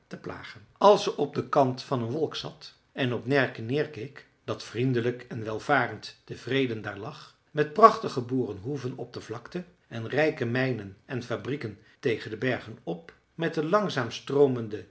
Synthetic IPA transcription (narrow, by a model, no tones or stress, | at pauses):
təpla̰ːχənɑlˠsəɔb̚dəkɑntfɑnənʋɔlˠksɑ̰t | ɛnɔpnɛɹkənɪːɹkejk | d̥ɑtfrindələkɛnʋɛlˠv̥aːrəntd̥əv̥rejdəndaːɹlɑχ | mɛt̚prɑχtəχəbuːrənɦuvənɔb̚dəvlɑktə | ɛnrɛjkəmɛjnənɛnfabrikən | tejχəndəbɛɹχənɔp̚ | mɛt̚dəlɑŋzaːmstrowməndə